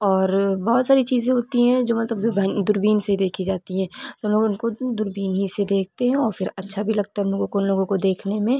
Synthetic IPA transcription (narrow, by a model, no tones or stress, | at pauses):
ɔːɾbɔɦʊt̪saːɾit͡ʃiːzẽɦoːt̪iɦɛ̃d͡ʒoːmɐt̪ləbd̪ʊbnd̪ʊɾbiːnseid̪eːkʰid͡ʒaːt̪iɦɛ̃ːt̪oloːɡʊnkod̪ʊɾbiːnɦised̪eːk̚ʰt̪eɦɛ̃ɔːɾfɪɾɐtːʃʰabʱilɐɡ̚t̪aɦɛʊnloːɡõkoʊnloːɡõkod̪eːkʰnemẽ